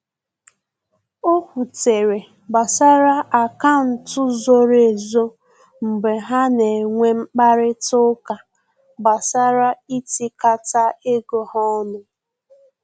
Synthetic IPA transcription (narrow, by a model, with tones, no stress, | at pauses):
o˦kʷu˨te˨ɾe˨ | ba˨sa˦ɾa˦ʔa˨ka˦n̩˨tʊ˦zo˦ɾe˨zo˦ | m̩˨ɡ͡be˨ɦa˦ne˨ŋʷe˦m̩˦k͡pa˦ɾɪ˦tʊ˦ka˨ | ba˨sa˦ɾa˦i˦ti˦ka˦ta˦e˦ɡo˨hɔ˦nʊ˦